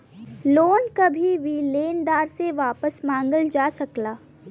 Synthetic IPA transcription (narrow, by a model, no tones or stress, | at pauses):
loːnkɐbʱiʋileːnd̪aːɾseʋaːpəsmãːŋɡəld͡ʒaːsɐklaː